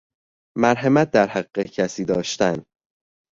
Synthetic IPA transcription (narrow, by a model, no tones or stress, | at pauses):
mæɾɦemæt̪̚d̪æɾhæiːecʰæsiːd̪ɒːʃt̪æn